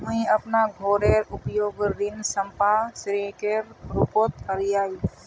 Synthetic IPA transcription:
ɦʊĩɐpnaɡʱoːɾeːɾʊpjoːɡɾɪnsəmpasɾeːkeːɾɾupoːt̪kəɾijaːi

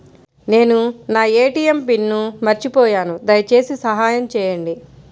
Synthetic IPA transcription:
ne̞ːnunaːeːʈiːjempinːumɐɾt͡ʃipɔːjaːnud̪ɐjt͡ʃe̞ːsisɐɦaːjɐmt͡ʃɛːjɐɳɖi

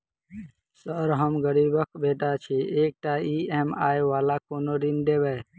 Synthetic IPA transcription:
səɾɦəmɡəɾibəkbeʈat͡ʃʰiek̚ʈaiemaeʋalakonoɖ̪ind̪ebɛ

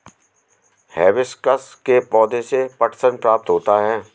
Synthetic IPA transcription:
hɛːʋɪskəskepɔːd̪ẽsepɐʈsənpɾaːp̚t̪ɦoːt̪aɦɛː

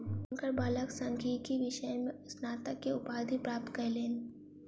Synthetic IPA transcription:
ŋkəɾbaːləksə̃ŋkʰikiʋɪʃəjmẽsnaːt̪əkːeʊpaːd̪ʱipɾaːp̚t̪kɐɾleːn

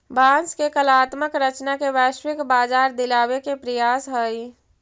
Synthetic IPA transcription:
bãːnskekəlaːt̪məkɾət͡ʃnakeʋɛːʃwɪkbaːd͡ʒaːɾd̪ɪlaːwekepɾəjaːsɦəi

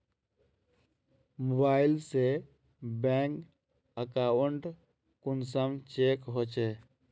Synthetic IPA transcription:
mobaːɪlse | bɛ̃ːŋk | əkawəɳɖ | kʊnsəmt͡ʃeːkɦoːt͡ʃeː

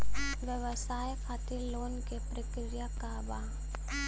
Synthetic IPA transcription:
ʋjəʋəsaːjkʰaːt̪iɾloːnkepɾək | ɾijakaba

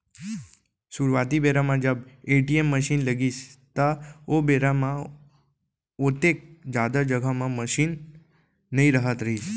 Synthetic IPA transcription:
suɾʋat̪ibeɾamãd͡ʒəbeʈiemːəʃinləɡist̪aobeɾamã | ot̪ek̚d͡ʒad̪ad͡ʒəɡʱamãməʃinː | əɦĩɾəɦət̪ɾəɦis

